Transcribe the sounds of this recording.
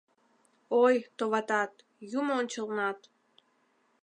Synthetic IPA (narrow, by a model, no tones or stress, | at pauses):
ojt̪oβɑt̪ɑt̪ | jumoonʲt͡ɕəlnɑt̪